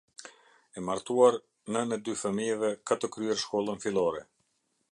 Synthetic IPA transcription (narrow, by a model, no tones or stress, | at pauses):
ɛmaɾt̪uaɾ | nənɛd̪yfəmiɛvɛkat̪əkɾyɛɾʃkɔlˠənfilˠɔɾɛ